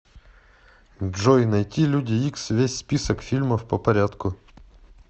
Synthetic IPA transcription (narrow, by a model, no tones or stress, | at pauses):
ʐɔjnɐjtʲilʲudʲɪiksvʲesʲspʲisəkfʲilʲməfpəpɐɾʲat̪kʊ